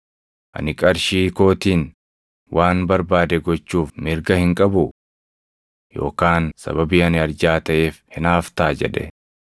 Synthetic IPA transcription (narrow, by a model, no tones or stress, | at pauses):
ʔɐ̰nɪkʼɐɾʃiːko̞ːt̪iːn | wʔaːnbɐɾbaːd̪ɛɡɔt͡ʃːuːfmɪɾɡɐhɪŋkʼɐbʊ | jo̞̰ːkaːnsɐ̰bɐbiːɐnɪɐɾd͡ʒaːt̪ɐʔe̞ːfhɪnaːft̪aːd͡ʒɛ̰ᶑɛ̰